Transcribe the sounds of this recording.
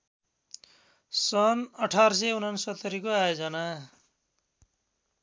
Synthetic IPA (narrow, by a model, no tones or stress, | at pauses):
sʌnʌʈʰaɾsʌunansʌt̪ːʌɾikoajod͡zʌna